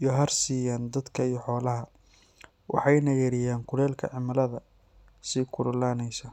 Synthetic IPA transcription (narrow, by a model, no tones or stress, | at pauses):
ijɔɦɐrsiːjaːnd̪ɐd̪kʰɐijɞħɔːlɐɦɐ | wɑ̰ħɑjnɐjɐɾɪjaːŋkʰʊlɛːlkʰɐ̰ʕɪmɐlɐðɐ | sikʰʊɾʊlaːnɛjsɐ